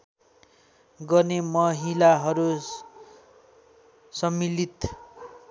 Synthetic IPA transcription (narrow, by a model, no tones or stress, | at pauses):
ɡʌrnemʌɦilaɦʌɾu | sʌmːilit̪